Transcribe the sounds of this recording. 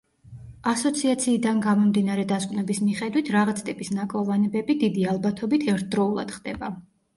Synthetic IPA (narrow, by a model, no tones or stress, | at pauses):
asɔt̪sʰiat̪sʰiːd̪anɡamɔmd̪inaɾɛd̪askʼvnɛbismiχɛd̪wit̪ʰɾaʁat̪sʰt̪ʼipʼisnakʼɔvanɛbɛbid̪id̪ialˠbat̪ʰɔbit̪ʰɛɾt̪̚ʰd̪ɾɔulˠa̰d̪̥χd̪ɛba